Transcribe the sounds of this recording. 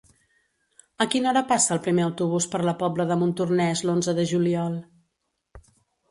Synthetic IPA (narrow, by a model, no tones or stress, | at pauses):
əkinɔɾəpasəːlˠpɾimeəwt̪uβ̞uspəɾləpɔbləðəmunt̪urnɛzlonzəðəʒuliɔlˠ